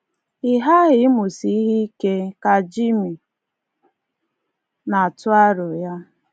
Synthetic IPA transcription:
ɪ˨ɦa˦ɣɪ˨˦mʊ˨si˦i˦ɦi˦i˦ke˦ka˨d͡ʒi˦mi˨ | na˨tʊ˦a˦ɾʊ˨ja˦

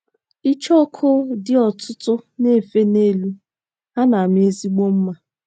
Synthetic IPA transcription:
i˦t͡ʃɔ˦kʰʊ˦dɪ˦ɔ˨tʰʊ˦tʊ˦ne˦˨fe˦ne˦lu˦ | ɦa˦na˨m˦e˦zi˦ɡ͡bo˦m̩˦ma˨

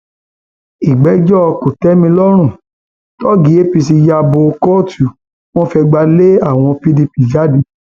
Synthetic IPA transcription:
i˨ɡ͡bɛ˨˦d͡ʒɔ˦˧ko˨tɛ˦mĩ˧lɔ˦ɾ̃ũ˦˨ | tɔ˦ɡi˨˦e˦pi˧s̬i˧ja˧bo˧kɔ˦˨tu˨ | w̃ɔ̃˦fɛ˧ɡ͡ba˧le˦a˦˨w̃ɔ̃˧pi˦di˧pi˨d͡ʒa˨˦dĩ˧

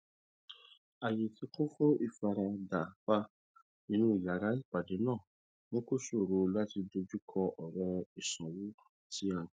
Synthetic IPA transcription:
a˨je˨ti˧˦kõ˦fo˦ʔi˦˨fa˧ɾa˧da˨ba˧ | nĩ˧nũ˦i˦˨la˨ɾa˨˦i˦˨pa˨de˨˦nãː˦˨ | mõ˦ko˦so˦˨ɾo˧la˦ti˧do˧d͡ʒu˦kʰɔ˧ʔɔ˨ɾɛ˧i˨sã˨wu˨˦ | tʰi˦ã˧˨

